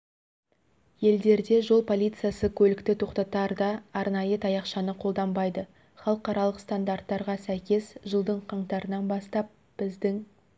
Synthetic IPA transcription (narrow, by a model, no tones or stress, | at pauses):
je̞ld̪e̞ɾd̪e̞ʒo̞lˠpʰo̞lʲijt̪sɨjasəkʲʰɵlɪkt̪ɪt̪ʰo̞qt̪ɑt̪ɑɾd̪ɑːɾnɑjət̪ʰɑjɑqʃɑnəqʰo̞lˠd̪ɑmbɑjd̪ə | χɑlˠəqɑɾɑlˠəqst̪and̪art̪ːɑɾʁɑsæjkʲe̞sʒəlˠd̪əɴqʰɑɴt̪ɑɾənɑnbɑst̪ɑp̚ | b̥ɪzd̪ɪŋ